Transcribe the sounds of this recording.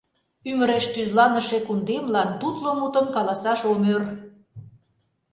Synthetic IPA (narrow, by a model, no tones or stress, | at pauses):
yməɾeʃt̪yzlɑnə̆ʃekund̪emlɑnt̪ut̪lomut̪ə̆mkɑlɑsɑʃomør